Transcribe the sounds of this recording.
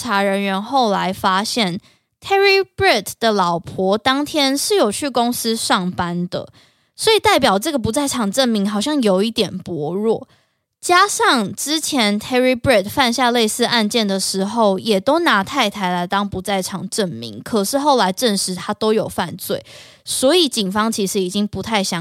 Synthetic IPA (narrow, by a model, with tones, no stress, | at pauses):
a˧˥ɻə˧˦nɥɛ˧˥nxo˥˩ʊla˧˦ɪfa˥ɕjɛ˥˩n | t̪ʰɛ˥ɹi˥bɹi˥˩t̪d̥̪ə˨lɑ˨˩ʊpʰwɔ˧˥t̪ɑ˥ŋt̪ʰjɛ˥nʂɻ̩˥˩jo˨˩ʊt͡ɕʰy˥˩ko˥ŋs̩˥ʂɑ˥˩ŋpa˦nd̪ə̰˨ | swɔ˧˥i˨˩t̪a˥˩ɪpjɑ˨˩ʊʈ͡ʂɤ˥˩ɡə˨˩pu˧˦t͡sa˥˩ɪʈ͡ʂʰɑ˨˩ŋʈ͡ʂə˥˨nmi˧˥ŋxɑ˨˩ʊɕjɑ˥˩ŋjo˨˩ʊi˥˩t̪jɛ˨˩npwɔ˧˥ɻwɔ̰˥˩ | t͡ɕja˥ʂɑ˥˧ŋʈ͡ʂɻ̩˥t͡ɕʰjɛ˧˥nt̪ʰɛ˥ɹi˥pɹɛ˥˩t̪fa˥˧nɕja˥˧le˥˧ɪsɹ̩˥˧a˥˧nt͡ɕjɛ˥˩nd̪ə˩ʂɻ̩˧˥xo˥˩ʊjɛ˨˩t̪o˥ʊna˧˥t̪ʰa˥˩ɪt̪ʰa˧˥ɪla˧˥ɪt̪ɑ˥ŋpu˧˥t͡sa˥˩ɪʈ͡ʂʰɑ˨˩ŋʈ͡ʂə˥˨nmḭ˧˥ŋkʰɤ˨˩ʂɻ̩˥˧xo˥˩ʊla˧˥ɪʈ͡ʂə˥˩nʂɻ̩˧˥t̪ʰa˥t̪o˥ʊjo˨˩ʊfa˥˧nt͡swe˥˩ɪ | swɔ˧˥i˨˩t͡ɕi˨˩nfɑ˥ŋt͡ɕʰi˧˥ʂɻ̩˧˦i˨˩t͡ɕi˦˥ŋpu˧˥t̪ʰa˥˩ɪɕjɑ˥˦